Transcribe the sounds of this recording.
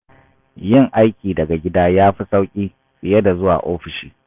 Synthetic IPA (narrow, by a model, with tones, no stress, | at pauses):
jɪ˦˨ŋʔa˦jkʲʼiː˨dɐ˨ɡa˨ɡʲɪ˦daː˦jaː˦ɸi˦sa˦wkʲʼiː˦ | sɪ˨jɐ˦da˨zʊ˦wa̰ː˨ʔoː˦ɸɪ˨ʃiː˦